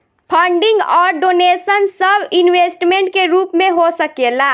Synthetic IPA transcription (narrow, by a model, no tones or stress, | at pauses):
pʰəɳɖiŋɡɔːɾɖonesənsəbʱinwesʈmeɳʈ̚keɾupmeɦosəkela